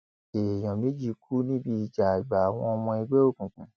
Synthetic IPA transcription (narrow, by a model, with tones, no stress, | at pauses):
e˨j̃ɔ̃˨mĩ˨˦d͡ʒi˧˦kʰu˦nĩ˦bi˧i˨d͡ʒa˨ɡ͡ba˨a˨w̃ɔ̃˧mɔ̃˧ɛ˧ɡ͡bɛ˦o˦˨kũ˨kũ˨˦